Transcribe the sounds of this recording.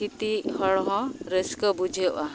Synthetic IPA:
it̪ihɔɭɦɔ̃ɾeskɔbud͡ʒʱeʔa

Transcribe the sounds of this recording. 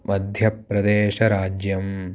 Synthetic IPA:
mɐd̪ʱjɐpːɾɐd̪eːʃɐɾaːd͡ʒjɐm

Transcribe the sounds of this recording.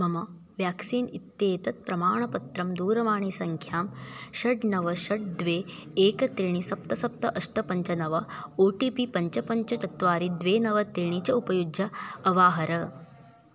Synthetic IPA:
mɐmɐ | ʋjaːksiːnit̪ːeːt̪ɐt̪̚pɾɐmaːɳɐpɐt̪ɾɐmd̪uːɾɐʋaːɳisɐŋkʰjaːmʃɐɖnɐʋɐʃɐɖ̚d̪ʋeːeːkɐt̪ɾiɳisɐp̚t̪ɐsɐp̚t̪ɐʔɐʂʈɐpɐɲt͡ʃɐnɐʋɐoːʈiːpipɐɲt͡ʃɐpɐɲt͡ʃɐt̪ɐt̪ʋaːɾid̪ʋeːnɐʋɐt̪ɾiɳ̃it͡ʃɐupɐjud͡ʒjɐɐʋaːɦɐɾɐ

